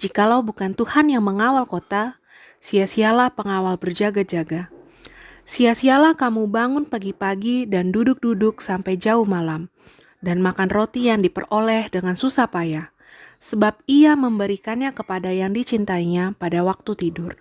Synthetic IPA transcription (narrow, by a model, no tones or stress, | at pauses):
d͡ʒikalawbukant̪uhanjaŋməŋawalkot̪a | siasialahpəŋawalbərd͡ʒaɡad͡ʒaɡa | siasialahkamubaŋʊnpaɡipaɡidandudʊk̚dudʊksampajd͡ʒauhmalam | danmakanrot̪ijaŋdipərolɛhdəŋansusapaja | səbap̚iaməmbəɾikanɲakəpadajaŋdit͡ʃint̪aiɲapadawak̚t̪ut̪idʊr